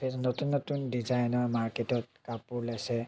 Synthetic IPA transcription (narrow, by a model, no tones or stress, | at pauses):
pʰetnotunːotundizajnɔɹmaɹketɔt̚kapuɹlasɛ